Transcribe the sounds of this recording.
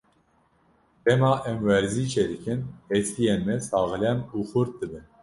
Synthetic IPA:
t̪ɛmɑːʔɛmwɛɾziːt͡ʃʰɛd̪ɨkʰɨnhɛskijenmɛsɑːɣɨlɛmuːxʊɾt̪̚d̪ɨbɨn

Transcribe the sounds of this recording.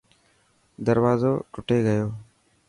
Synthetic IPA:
d̪əɾʋaːzoːʈʊʈeːɡəjoː

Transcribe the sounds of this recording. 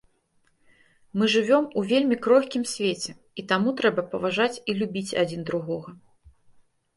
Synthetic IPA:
mɨʐɨvʲɔmuvʲelʲmʲikɾɔxʲkʲimsʲvʲet͡sʲɛ | it̪amut̪ɾɛbɐpɐvaʐat͡sʲilʲubʲit͡sʲa̰d͡zʲind̪ɾuɣɔɣɐ

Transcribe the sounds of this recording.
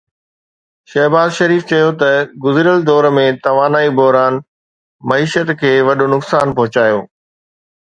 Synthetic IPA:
ʃɐɦbaːzʃɐɾiːft͡ɕɐjot̪ɐɡʊzɪɾəld̪ɔːɾmẽt̪ɐʋaːnaːibɔɦɾaːn | mɐiːʃət̪kʰeːʋɐɗonʊksaːnpɐɦʊt͡ɕaːjo̰ː

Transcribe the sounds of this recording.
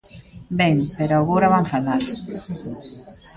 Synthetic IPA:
beŋpeɾoaɣowɾaβaɱfanaɾ

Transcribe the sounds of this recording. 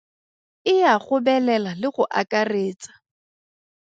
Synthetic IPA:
ɪjaχʊbɛlɛlalɪχʊʔa̰kʼareːt͡sḁ

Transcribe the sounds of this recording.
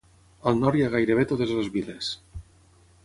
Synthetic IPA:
alˠnɔɾjaɣajɾeβ̞et̪oðezlozβiles

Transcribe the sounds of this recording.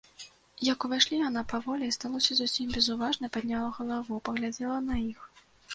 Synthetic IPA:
jɐkuvajʂlʲijanapavɔlʲɛst̪alˠɔsʲɐzusʲimʲbʲɛzuvaʐnɐpad̪ʲnʲalˠɐɣɐlˠavupɐɣlʲad͡zʲɛlˠɐnɐix

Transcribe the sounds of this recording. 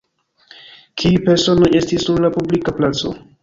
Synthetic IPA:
kʰiupe̞ɾso̞noje̞stisːuɾlapublikaplat͡so̞̰

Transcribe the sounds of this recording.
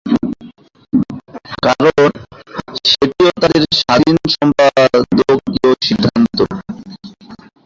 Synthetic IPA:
kaɾon | ʃeʈ̪iot̪aɾeɾʃainʃɔmpad̪eookioʃidd̪ʱːant̪o

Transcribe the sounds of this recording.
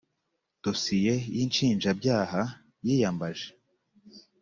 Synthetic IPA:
d̥osije̞jint͡ʃiːnd͡ʒabjaːha | jijambaʒe

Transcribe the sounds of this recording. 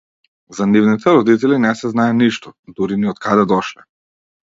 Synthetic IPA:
zanivnit̪ʰɛɾɔd̪it̪ɛlinɛsɛznajɛniʃt̪ɔd̪uɾiniɔt̪̚kʰad̪ɛd̪ɔʃlɛ

